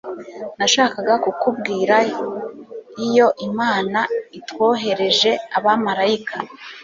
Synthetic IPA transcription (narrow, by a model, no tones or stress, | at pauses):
naʃaːkaɡakukub̚ɡiːɾa | ijo̞ʔimaːnaitwo̞ːɦe̞ɾe̞ʒe̞aβamaɾaikʰa